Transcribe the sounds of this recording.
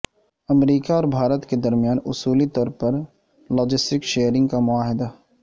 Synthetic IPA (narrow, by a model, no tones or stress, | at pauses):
ɐmɾiːkaɔːɾbʱaːɾət̪ked̪ɐɾmjaːnʊsuːlit̪ɔːɾpɐɾ | lɔːd͡ʒɪsʈɪkʃeːjəɾɪ̃ŋɡkamʊaːɦɪd̪a